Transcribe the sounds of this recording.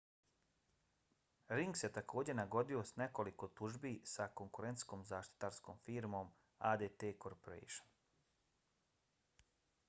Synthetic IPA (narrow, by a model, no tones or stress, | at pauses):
ɾiŋɡset̪akʰo̞ːd͡ʑenaɡo̞d̪io̞sne̞ko̞liko̞t̪uʒbisako̞ŋkuɾent̪sko̞ːmzaːʃt̪i̥t̪aɾsko̞ːmfiːɾmo̞m | ad̪et̪eːkoɾpoɾḛjʃon